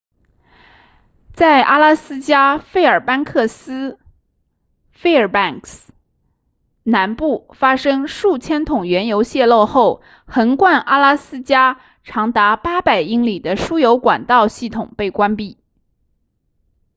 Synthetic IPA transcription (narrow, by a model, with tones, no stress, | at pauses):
t͡sa˥˩ɪʔa˥la˥sɹ̩˥t͡ɕja˥fe˥˩ɪə˞˨˩pa˥nkʰɤ˥˩sɹ̩˥ | fe˥˩ɪə˞˨˩pa˥˩ŋks | na˧˥npu˥˩fa˥ʂɤ˥ŋʂu˥˩t͡ɕʰjɛ˥nt̪ʰʊ˨˩ŋɥɛ˧˥njo˧˥ʊɕjɛ˥˧lo˥˧ʊxo˥˩ʊ | xə˧˥nkwa˥˩nʔa˥la˥sɹ̩˥t͡ɕja˥ | ʈ͡ʂʰɑ˧˥ŋt̪a˧˥pa˥pa˨˩ɪi˥ŋli˨˩d̪ə˦ʂu˥jo˧˥ʊkwa̰˨˩nt̪ɑ˥˧ʊɕi˥˩t̪ʰʊ˨˩ŋpe˥˩ɪkwa˥npi˥˩